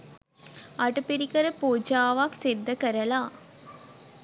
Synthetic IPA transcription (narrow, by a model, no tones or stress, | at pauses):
ɐʈɐpiɾikɐɾəpoːd͡ʒaːʋaksed̪ːɐkɐɾɐlaː